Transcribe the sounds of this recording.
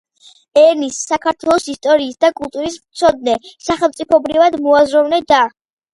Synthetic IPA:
ɛɾnisːakʰaɾt̪ʰwɛlˠɔsist̪ʼɔɾiːsd̪akʼulˠt̪ʼuɾismt̪sʰɔd̪̚nɛsaχɛlˠmt̪sʼipʰɔbɾivad̪mɔazɾɔvnɛd̪a

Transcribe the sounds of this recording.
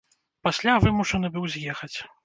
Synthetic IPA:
pasʲlʲavɨmuʂɐnɨbɨwzʲjɛxɐt͡sʲ

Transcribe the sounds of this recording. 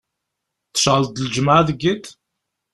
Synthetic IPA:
θə̥ʃʁəld̪əld͡ʒmaʕaðəɡːit̪

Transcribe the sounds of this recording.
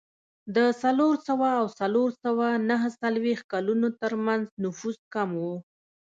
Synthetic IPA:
d̪əsaloɾsawaːwsaloɾsawanaɦəsalwext̪̚kalunot̪əɾmanznʊfuzkamwu

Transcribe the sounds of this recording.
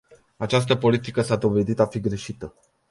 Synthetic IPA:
at͡ʃas̬t̪əpo̞lit̪ikəsad̪o̞ve̞d̪it̪afiɡɾe̞ʃit̪ə

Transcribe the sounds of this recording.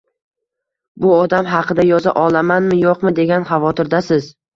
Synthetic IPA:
bʊɒd̪amɦɑqʰɨd̪ajɒza̰ʔɒlˠamanmɪjoqmɪd̪e̞ɡʲanχɑvɒt̪ʰɪɾd̪asɪz

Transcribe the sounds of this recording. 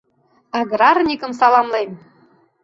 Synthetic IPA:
ɑɡɾɑrnʲikə̆msɑlˠɑmlem

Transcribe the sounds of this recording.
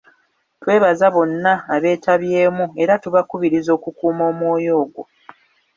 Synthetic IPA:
twe̞ːβazaβo̞nːaːβe̞ːtʰaβje̞ːmue̞ɾatuβakuβiɾizo̞ːkukuːmo̞ːmwo̞ːjo̞ːɡwo̞

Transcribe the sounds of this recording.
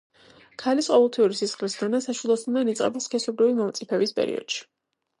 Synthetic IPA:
kʰalisqʼɔvɛlˠt̪ʰiuɾisisχlisd̪anasaʃilˠɔsnd̪anit̪sʼqʼɛ̰bilˠskʰɛsɔbɾivimɔmt̪sʼipʰɛbispʼɛ̰ɾḭɔ̰d̪̥ʃi̥

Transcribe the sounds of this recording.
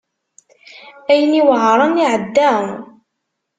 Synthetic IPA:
æjəniwʕɾˤɑniʕəd̪ːæ

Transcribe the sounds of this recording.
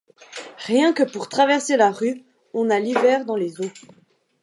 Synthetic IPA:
ʁjɛ̃kəpuʁt̪χavɛʁselaʁy | ɔ̃nalivɛːʁd̪ɑ̃lezo

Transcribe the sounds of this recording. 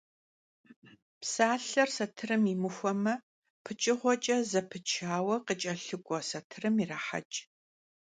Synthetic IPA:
psaːɬɐrsɐtʰɨɾɨmimɨxʷɔmɐ | pʰɨt͡ʃʼɪʁʷɔt͡ʃʼɐzɐpʰɨt͡ʃʰaːwɐqət͡ʃʼɐɬɨɡʷʼɔsɐtʰɨrɨmiraːħa̰t͡ʃʼ

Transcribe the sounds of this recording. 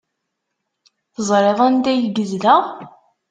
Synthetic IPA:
θəzˤɾeðˤænd̪æjɡəzlæ

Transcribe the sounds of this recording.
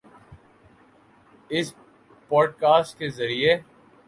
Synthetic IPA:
ɪs | pɔːɖ̚kaːsʈ̚kezɐɾie

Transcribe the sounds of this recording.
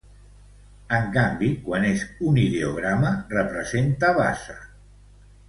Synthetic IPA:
əŋkambikwanezuniðeoɣ̞ɾamərəpɾəzent̪aβa̰sə

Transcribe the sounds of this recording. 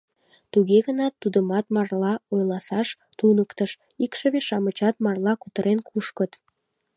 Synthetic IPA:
t̪uɣeɣənɑt̪ːud̪əmɑt̪mɑrlɑojlɑsɑʃ | t̪unəkt̪əʃ | ikʃeβeʃɑmət͡ɕɑt̪mɑrlˠɑkut̪əɾenkʰuʃkət̪

